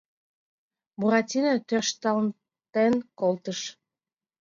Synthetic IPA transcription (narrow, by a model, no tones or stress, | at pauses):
buʁɑt̪ʲinət̪ørʃt̪ɑln | t̪enkolˠt̪əʃ